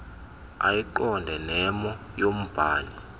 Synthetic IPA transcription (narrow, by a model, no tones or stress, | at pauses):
a̰jiǃɔndʱɛnɛmɔ | jom̩b̥ʱaːli